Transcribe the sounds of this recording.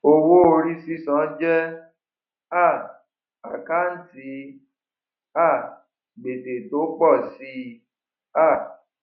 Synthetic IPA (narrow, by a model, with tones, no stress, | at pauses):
o˧wo˦o˧ɾi˦si˦sã˨˦d͡ʒɛ˦ | a˦˨ | a˨ka˦n̩˦ti˧˦ | a˦˨ | ɡ͡be˨te˨to˨˦k͡pɔ˦˨si˧˦ | a˦˨